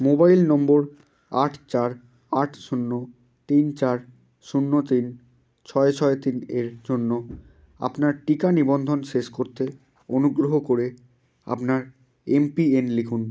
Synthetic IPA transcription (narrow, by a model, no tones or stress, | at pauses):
mobajlnɔmboɾ | aʈʰt͡ɕaɾ | aʈʰʃunːo | t̪int͡ɕaɾ | ʃunːot̪in | t͡ɕʰɔet͡ɕʰɔet̪ineɾd͡ʑonːo | a̰pnaɾʈikanibond̪ʱonʃeʃkoɾt̪e | onuɡɾoɦokoɾe | a̰pnaɾ | empienlikʰun